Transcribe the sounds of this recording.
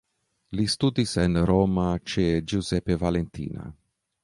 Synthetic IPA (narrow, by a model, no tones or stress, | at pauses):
list̪ud̪isɛnɾɔːmat͡ʃɛd͡ʒuzɛpːevalent̪ḭːna̰